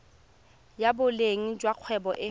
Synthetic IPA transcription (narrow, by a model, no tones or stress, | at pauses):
jabʊleŋ̩d͡ʒwaq͡χʰwɛbɔʔɪ